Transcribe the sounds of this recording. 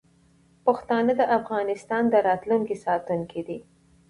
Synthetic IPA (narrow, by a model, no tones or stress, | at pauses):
paxt̪ɑnəd̪əʔafɣɑnɪst̪ɑnd̪əɾɑt̪luŋkisɑt̪uŋkid̪i